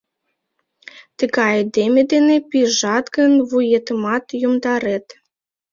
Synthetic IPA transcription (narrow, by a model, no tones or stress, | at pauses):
t̪əɡɑed̪emʲed̪enepiʒɑt̪ɡənβujet̪əmɑt̪jumd̪ɑɾet̪